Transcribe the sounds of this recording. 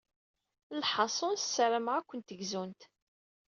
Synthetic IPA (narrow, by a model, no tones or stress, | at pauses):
lħɑsˤonssːəɾəmʁækʷːənt̪əɡzunt̪